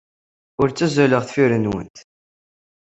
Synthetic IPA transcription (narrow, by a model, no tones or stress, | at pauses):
ʊɾt͡sːæzæləʁθfiɾənwə̰nt̪